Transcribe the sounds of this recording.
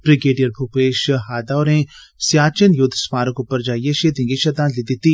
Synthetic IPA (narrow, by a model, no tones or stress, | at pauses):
b̥ɾiɡeːɖijɐɾbʰʱupeːʃɦaːd̪awɾẽ | sjaːt͡ʃɐnjʊd̪ʱsmaːɾɐkupəɾd͡ʒaːjeʃed̪ĩŋɡiʃɐd̪aːnlid̪it̪i